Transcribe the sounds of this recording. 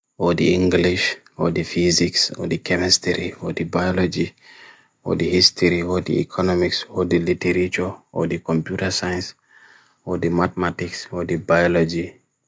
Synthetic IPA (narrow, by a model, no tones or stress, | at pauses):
ɔdḭĩŋɡliʃ | ɔ̰difiziksɔ̰dikʰɛmistɛɾiɔdibajɔlɔd͡ʒi | ɔ̰dihistɔɾiɔdḭḭkʰɔnɔmiksɔdilitɛɾit͡ʃuɔ̰dikɔmpjutɐsaj̃ns | ɔdimat̪ɛmatiksɔdibajɔlɔd͡ʒi